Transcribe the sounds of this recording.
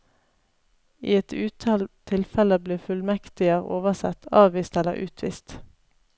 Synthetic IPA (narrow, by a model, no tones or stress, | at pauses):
iːɛt̪ʰʉːt̪ʰɑlt̪ʰɪlfɛləbliːfʉlmɛkt̪ɪəʁo̰ːʋəsɛ̰t̪ʰɑːʋʋiːst̪ɛlə̰ʁʔʉ̰ːt̪ʰʋḭːst̪